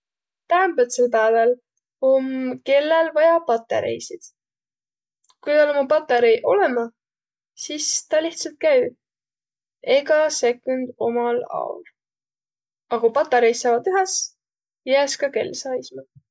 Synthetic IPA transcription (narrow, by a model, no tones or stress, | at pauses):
t̪æmbet̪selpæevel | omke̞lːelvɑjɑpɑt̪ːˑḛɾḛjsid̪̥ | kujd̪ɑlomupɑt̪ːˑeɾejʔo̞le̞mɑ | sist̪ɑliht̪sɑlt̪̚kæj | e̞ɡɑse̞kːˑund̪̥o̞̰mɑlɑ̰ṵl | ɑɡ̥upɑt̪ːˑɑɾejsːɑːvɑd̪yɦɑs | jæːskɑke̞̰lːsɑːismɑ